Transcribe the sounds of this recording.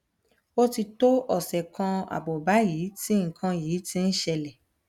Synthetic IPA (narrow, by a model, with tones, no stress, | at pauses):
o˦ti˧to˦ɔ˨sɛ˨kã˧a̰˨bɔ˨ba˨˦jiː˨˦tĩ˦ŋ̩˨kʰã˧jiː˨˦tĩ˧˦n̩˦ʃɛ˧lɛ˨